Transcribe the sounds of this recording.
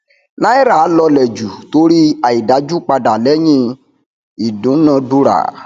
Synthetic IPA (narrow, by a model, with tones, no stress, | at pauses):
nã˦i˦ɾa˨˦lɔ˧lɛ˨d͡ʒu˨to˨˦ɾi˦a˨i˨da˨˦d͡ʒu˦k͡pa˧da˨lɛ˦j̃ĩ˦ | i˨dũ˨˦nã˧du˧˦ɾa̰˦˨